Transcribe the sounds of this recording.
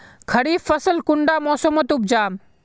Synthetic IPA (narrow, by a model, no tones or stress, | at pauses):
kʰəɽiːfːəsəlkʊɳɖaːmɔːsəmət̪ʊb̚d͡ʒaːm